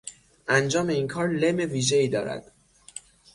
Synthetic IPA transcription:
ʔænd͡ʒɒːme̞iːnkʰɒːɾleme̞viːʒe̞iːd̪ɒːɾæ̰d̪̥

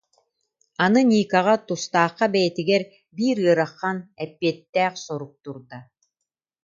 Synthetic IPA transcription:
anɯnʲiːkaʁat̪ust̪aːχːabɛjɛt̪iɡɛɾ | biːɾɯɾaχːanɛpːiɛt̪ːæːχsɔɾuk̚t̪uɾd̪a

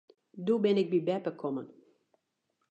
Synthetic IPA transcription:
dubɪnɪk̚bibɛpəkʰɔmən

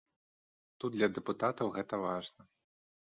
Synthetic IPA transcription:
t̪ud̪d̪lʲɐd̪ɛput̪at̪ɐwɣɛt̪ɐvaʐnɐ

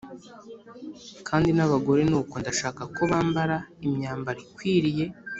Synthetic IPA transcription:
kʰaːndinaβaɡo̞ɾe̞nuːko̞ndaʃaːkako̞βaːmbaɾaimɲaːmbaɾikwiːɾije̞

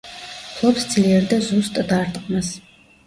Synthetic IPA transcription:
pʰlˠɔpsd̪z̥liɛɾd̪azust̪ʼd̪aɾt̪ʼqʼmas

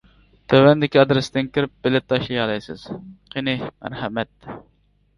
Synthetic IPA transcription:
t̪ʰøwɛnd̪ɪkʲiɑd̪ɾɪsd̪ɪnkʲiɾɪp̚b̥ɪlɪt̪ʰːɑʃijɑlˠɑjsɨz̥qʰenɪmæ̰ɾhɛmɛt̪̚

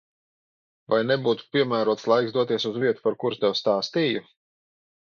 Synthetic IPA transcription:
vajnebuːt̪u̥pʲiɛmæːɾuɔt̪slˠajksd̪uɔt̪iɛsuzviɛt̪u̥paɾkuɾst̪ɛwst̪aːst̪iːju

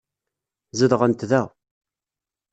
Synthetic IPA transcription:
ziðʁənt̪ðæ

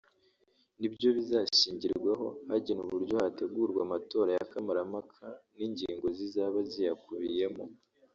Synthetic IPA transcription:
nibjo̞βizaʃiːɲɟiɾɾɡwaɦo̞̰haɟenuβuɾɟo̞hate̞ɡuːɾɡwamato̞ːɾajakamaɾamakʰaniɲɟiːŋɡo̞zizaːβazijakuβije̞mo̞

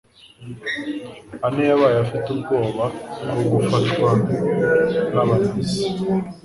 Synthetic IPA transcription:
anejaβajafitubɡoːβaɡoɡufatwa | naβanisi

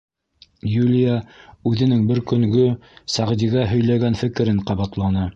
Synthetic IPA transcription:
julʲijaʉðɘ̆nɘŋbɘɾkɵ̆ŋɡɵsæʁd̪iɡæɦɵ̆jlæɡænfɘ̆kɘ̆ɾɘɴqɑβɑt̪lˠɑnɤ

